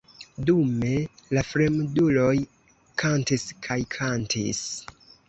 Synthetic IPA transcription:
dume̞lafɾe̞mdulo̞j | kʰantiskʰajkʰantʰḭs

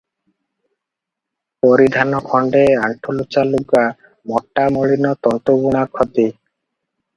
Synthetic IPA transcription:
pɔɾid̪ʱanɔkʰɔɳɖeaɳʈʰulut͡ɕaluɡa | mɔʈːamoɭinɔt̪ɔnt̪obuɽ̃akʰot̪i

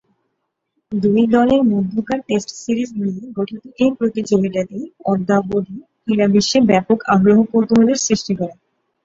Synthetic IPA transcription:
d̪ujd̪ɔleɾmod̪ːukaɾʈesʈsiɾismijeɡoʈʰit̪iʔepɾot̪it͡ɕoɡeʈad̪iɔd̪ːabod̪ʱikiɾabiʃːebɛpokaɡɾoɦokoɾt̪eɦoleɾsɾiʃʈikɔɾe

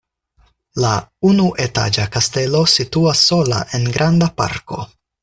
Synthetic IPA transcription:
launuʔe̞ta̰d͡ʒakaste̞lo̞situasːo̞la̰ʔe̞nɡɾandapa̰ɾko̞̰

